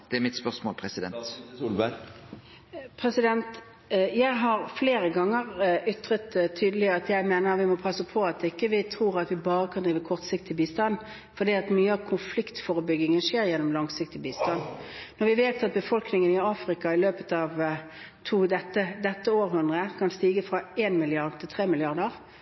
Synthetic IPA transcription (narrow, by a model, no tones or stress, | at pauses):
d̪̥ɛæmɪt̪spœʁsmo̰ːlpʰɾɛsɪd̪ɛ̰nt̪ulbæ | pʰɾɛsɪd̪ɛnt̪ | jæɪɦɑɾfleːɾəɡɑŋːəʁʏt̪ɾət̪t̪ʰːyːd̪əlɪɑt̪jæɪmeːnəɾʋɪmɔpʰɑsəpʰɔɑt̪ɪkːəʋɪt̪ʰɾuːɾɑt̪ʋɪbɑːɾəkʰɑnd̪ɾiːʋəkʰɔʁt̪sɪkt̪ʰɪbiːst̪ɑn | fɔd̪iːɑt̪myːəɑʋkʰʊnflɪkt̪fɔːʁəbʏɡɪŋəʂeːɾjɛnːɔmlɑŋsɪk̚t̪ɪbiːst̪ɑnnɔʁʋɪʋeːt̪ɑt̪̚bəfɔlknɪŋənɪɑːfɾɪkɑɪløːpət̪ɑʋ | t̪ʰuːd̪ɛt̪ːəd̪ɛt̪ːəoːɾɦʉnd̪ʁəkʰɑnst̪iːɡəfɾɑeːnmɪlɪɑʁd̪̚t̪ʰɪlt̪ʰʁeːmɪlɪɑʁd̪əʁ